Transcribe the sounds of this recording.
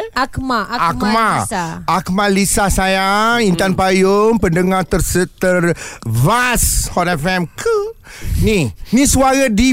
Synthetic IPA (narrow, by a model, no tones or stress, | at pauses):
akmaamaak̚malisahsajaŋint̪anpajompəndəŋat̪ərsət̪ərvashɔtɛfɛmkʰəninĩsuaɾədi